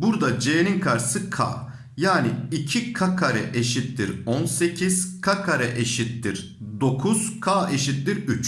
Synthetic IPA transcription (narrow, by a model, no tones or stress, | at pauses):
buɾd̪ad͡ʒeːninkʰaɾsɯkʰa̰ː | jaːniicʰikʰakʰaɾɛ̰ʔeʃit̪ːiɾonse̞cʰiz̥kʰakʰaɾɛʔeʃit̪ːiɾ | d̪o̞kʰuz̥kʰaːe̞ʃit̪liɾyt͡ʃ